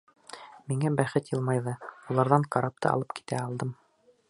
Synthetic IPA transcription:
miŋæbæχɘt̪jɤ̆lˠmɑjðɤulˠɑɾðɑŋkɑɾɑp̚t̪ɤ̰ɑ̰lˠɤpki̥t̪æɑlˠd̪ɤm

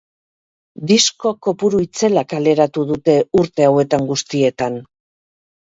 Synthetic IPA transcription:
d̪isko̞ko̞puɾuit͡se̞lakale̞ɾat̪uðut̪e̞uɾt̪e̞awe̞t̪aŋɡust̪ie̞t̪an

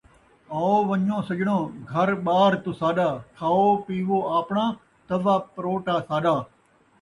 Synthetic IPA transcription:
aːoːʋəɲõːsəd͡ʒɳõːɡʱəɾɓaːɾt̪usaːɗaːkʰaːoːpiːʋoːaːpɳãː | t̪əʋaːpɾoːʈaːsaːɗaː

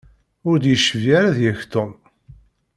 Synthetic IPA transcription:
ʊɾd̪jəʃəvjaɾaðjæçt̪om

